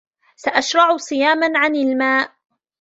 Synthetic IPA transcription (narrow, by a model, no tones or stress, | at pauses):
saʔaʃɾˤɑʕsˤɨjaːmanʕanalmaːʔ